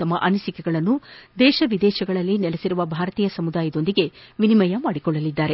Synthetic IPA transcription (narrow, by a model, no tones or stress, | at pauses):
ɐmɐʔɐnɐsikɛɡɐɭɐnːud̪ɛːʃɐʋid̪ɛːʃɐɡɐɭɐlːinɛlesiɾuʋɐbʱaːɾɐt̪iːjɐsɐmud̪aːjɐd̪o̞nd̪iɡe̞ʋinimɐjɐmaːɽikɔɭːɐlid̪ːaːɾe̞